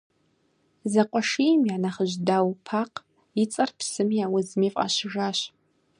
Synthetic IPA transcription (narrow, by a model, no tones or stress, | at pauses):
zɐqʷʼɔʂimjaːnɐχəʑdaːwpʰaːq | it͡sʼɐrpʰsɨmiaːwʊzmeːfʼʔa̰ːɕɪʒaːɕ